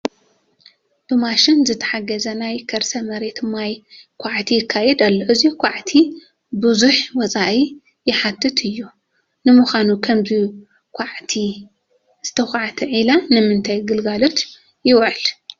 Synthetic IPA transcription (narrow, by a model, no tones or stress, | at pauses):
b̥ɨmaʃɪnzɨt̪ʰɐ̥ħaɡɐzɐnajkʰɐɾsɐmɐɾet̪ɨmːajkʷʰaʕt̪ʰijɪkʰːajɛd̪alːoʔɨzikʷʰaʕt̪ʰi | bɨzuħwɔt͡sʼaʔi | jɪħat̪ʰːɨt̪ʰɨjːu | nɨmʊxʷanukʰɐmzi | kʰʷaʕt̪ʰi | z̥ɨt̪ʰɐxʷaʕt̪ʰɐʕilanɨmɨnt̪ʰajɡɨlɡalo̞t̪ | jɪwʕɨl